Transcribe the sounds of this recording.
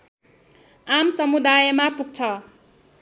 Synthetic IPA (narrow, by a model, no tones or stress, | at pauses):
amsʌmud̪ajʌmapuɡ̚t͡sʰʌ